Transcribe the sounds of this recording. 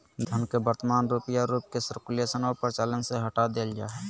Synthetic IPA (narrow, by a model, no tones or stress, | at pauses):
d̪ʱənkebəɾt̪əmaːnɾuːpijaɾuːp̚kesəɾkuleːsənoːɾpəɾt͡ʃaːlənseɦəʈad̪eːld͡ʒa̰ːɦɛ